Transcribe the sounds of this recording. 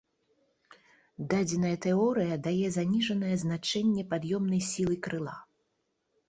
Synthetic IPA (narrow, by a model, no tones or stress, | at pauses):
d̪ad͡zʲɛnɐjɐt̪ɛɔɾɨjɐd̪ajɛzanʲiʐɐnɐjɐznat͡ʂɛnʲːɛpad̪jɔmnɐjsʲilˠɨkɾɨlˠa̰